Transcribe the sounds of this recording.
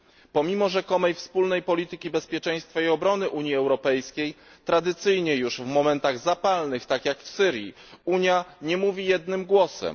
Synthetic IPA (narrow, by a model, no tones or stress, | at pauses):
pɔmʲimɔʐɛkɔmɛjfspulnɛjpɔlʲit̪ɘkʲibɛspʲjɛt͡ʂɛj̃st̪faiɔbɾɔnɘʔuɲjiɛwɾɔpɛjskʲej | t̪ɾad̪ɘt̪sɘjɲɛjuʂvmɔmɛnt̪aɣzapalnɘxt̪akjakfsɘɾjḭuɲjaɲɛmuvʲijɛd̪nɘmɡwɔsɛ̰m